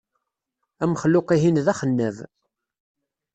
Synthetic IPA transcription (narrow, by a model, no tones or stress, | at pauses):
æməχlʊqiɦinðæχənːəv